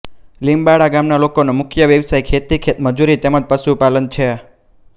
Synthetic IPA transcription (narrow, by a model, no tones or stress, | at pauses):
limbaɽaɡamnalokonomʊkʰjəʋjəʋsajkʰet̪ikʰet̪məd͡ʒuɾit̪eməd͡ʒpəʃupalənt͡ʃʰe